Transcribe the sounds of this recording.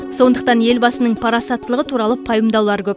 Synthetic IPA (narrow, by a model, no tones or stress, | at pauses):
so̞nd̪əq̚t̪ɑnje̞lbɑsənəɴpʰɑɾɑsɑt̪ːəlˠəʁət̪ʰuɾɑlˠəpʰɑjəmd̪ɑwlˠɑɾkʲʰɵp